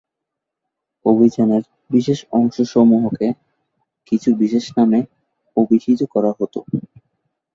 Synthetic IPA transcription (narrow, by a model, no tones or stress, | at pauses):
obʱid͡ʑaneɾ | biʃeʃɔŋʃoʃɔmuɦoke | kit͡ɕʰubiʃeʃname | obʱiʃʰit̪okɔɾaɦot̪o̰